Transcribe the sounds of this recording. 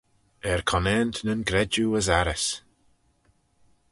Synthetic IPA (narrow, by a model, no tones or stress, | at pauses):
ɛɹkʰɔnɛːnt̪nənɡɾɛd͡ʒuəzaɾəs